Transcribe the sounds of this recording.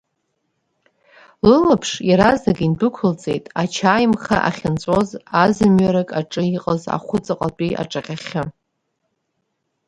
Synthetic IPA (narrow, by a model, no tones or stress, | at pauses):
lɨlapʰʂjaɾazakʼindɨkʷʰʊlt͡sʼe̞jtʼat͡ʃʰaːjmχa̰ʔa̰χʲɪnt͡sʷʼo̞zazɨmɥaɾakʼaʈ͡ʂʼɨiqʼəza̰χʷʊt͡sʼɨqʼapʼiʔa̰ʈ͡ʂʼaqʲaχʲɪ